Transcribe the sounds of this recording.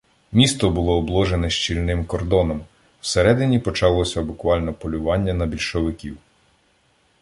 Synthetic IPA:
mʲist̪ɔbʊlˠɔːblˠɔʒenɛʃt͡ʃilʲnɪmkɔrd̪ɔnɔm | wseɾɛd̪ɪnʲipɔt͡ʃɑlˠɔsʲɐbʊkʋɑlʲnɔpɔlʲʊʋɑnʲːɐnɐbʲilʲʃɔʋɪkʲiw

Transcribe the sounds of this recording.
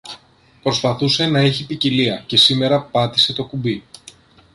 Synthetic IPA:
pɾo̞spɐθuse̞nɐeçipiciliɐce̞sime̞ɾɐpɐt̪i̥se̞t̪o̞kubi

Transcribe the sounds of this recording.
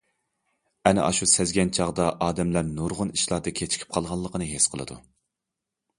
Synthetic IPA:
ɛnɪ̰ʔɑ̰ʃusɛzɡʲɛnt͡ʃʰɑʁd̪ɑʔɑːd̪ɛmlæɾnuɾʁʊniʃlˠɑɾd̪ɨkʲʰet͡ʃʰi̥kʲʰi̥p̚qʰɑlˠʁɑlˠːəqənɨɦesqʰəlˠɨ̰d̪ṵ

